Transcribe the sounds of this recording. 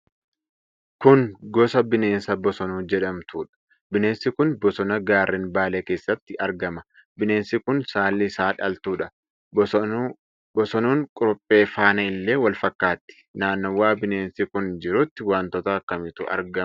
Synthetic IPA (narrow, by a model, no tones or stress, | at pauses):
kʊnɡɔsɐbɪneːnsɐbɔsɔnuːd͡ʒɛᶑɐmt̪ʰuːᶑɐ̥ | bɪne̞ːnsɪkʊnbɔsɔnɐɡaːrːɛnbaːleːkeːsːɐt̪ːɪʔɐɾɡɐmɐ | bɪne̞ːnsɪkʊnsaːlːɪsaːᶑɐ̰lt̪uːᶑɐ | bɔsɔnuːŋkʼʊɾɔpʼːe̞ːfaːnɐɪlːe̞ːwɐlfɐkːaːt̪ːɪ̥naːnːɔwːaːbɪneːnsɪkʊnd͡ʒɪɾʊt̪ːɪwaːnt̪ɔt̪ɐːkːɐmɪt̪ʊʔɐ̰ɾɡɐ